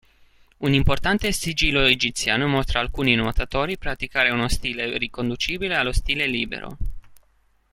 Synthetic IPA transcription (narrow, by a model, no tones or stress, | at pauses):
unimport̪ant̪esid͡ʒiloed͡ʒip̚t̪sianomost̪ɾaalkuninot̪at̪oɾipɾat̪ikaɾeunost̪ilerikond̪ut͡ʃibilealost̪ilelibḛɾo̰